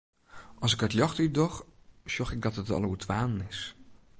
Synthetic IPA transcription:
ʔɑsɪkətljɑχtydɔχʃɔχɪɡ̚dɔtətɑ̰lˠuətʰʋaːnənɪs

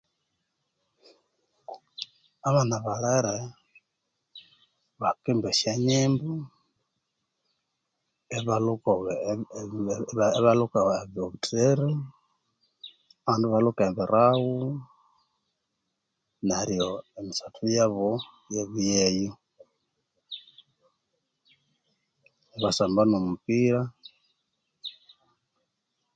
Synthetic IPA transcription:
aβanaβalaiɾe | βakimbeʃjaɲeːmbu | eβaluko | βalukaaβoβutʰɾeɾi | aβanduβalukaemβiɾawu | naɾijoemisatʰujaβo | jeβijejo | eβasambanomupiɾa

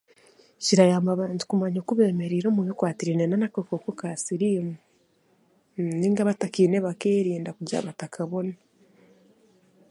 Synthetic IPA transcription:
ciɾajaːmaβaːntu̥kumaɲokuβe̞ːme̞ɾiːɾoːmujokwaːtiɾinenanakokokokaːsiɾiːmu | niːŋɡaβatakiːneβakeːɾiːndakuɟa̰βatakʰaβo̞na

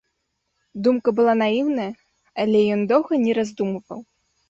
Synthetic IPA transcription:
d̪umkɐbɨlˠanajiwnɐjɐ | alʲɛjɔnd̪ɔwɣɐnʲɛɾazd̪umɨvɐ̰w

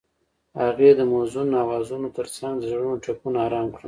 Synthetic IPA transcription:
haɣed̪əmozunnɑwɑzunot̪əɾt͡saŋɡd̪zaɽunoʈakunaɑɾɑmkɽə

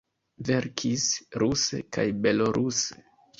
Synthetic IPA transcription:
ve̞ɾkʰisɾusḛkajbe̞loɾʔuse

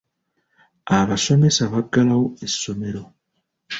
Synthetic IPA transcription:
aβasomesaβaɡalawesːomeɾo

